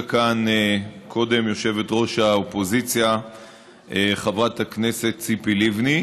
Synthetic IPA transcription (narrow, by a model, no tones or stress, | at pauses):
kankʰo̞de̞mjo̞ʃe̞vetʁo̞ʃaopo̞zit͡sja | eχavʁathakne̞se̞t̪t͡sipilivni